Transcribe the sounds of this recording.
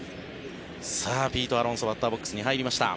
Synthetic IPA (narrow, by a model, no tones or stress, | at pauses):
saːbʲiːt̪o̞aɾõsobat̪ːaːbo̞kːɯ̥sɨɲ̟iɦaiɾʲimaɕi̥t̪a̰